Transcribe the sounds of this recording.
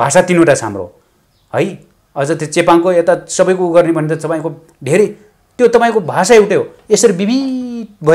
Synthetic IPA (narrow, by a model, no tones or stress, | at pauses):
bʱasat̪inoʈat͡sʰɦa̰mro̰ | hʌj | ʌd͡zʌt̪et͡sepankoet̪asʌbʌjkoɡʌrnibʱʌnet̪ʌt̪ʌpaĩko | ɖʱeɾe | t̪jot̪ʌpaĩkobʱasaewʈeɦo | esʌɾibibʱibʱʌ